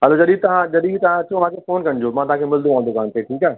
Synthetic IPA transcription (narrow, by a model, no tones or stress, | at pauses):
ɦɛːlod͡ʒɐɗiːt̪ɐɦãd͡ʒɐɗit̪ɐɦãt̪ʰoʋãkʰefoːnkɐɳd͡ʑomãt̪ʊɦãːkʰemɪld̪ũãːnd̪okaːnt̪ʰeʈʰiːkɛː